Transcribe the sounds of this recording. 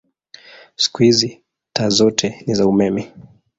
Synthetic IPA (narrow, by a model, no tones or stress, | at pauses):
si̥kuhizi | taːzɔtʰɛnizaumɛmɛ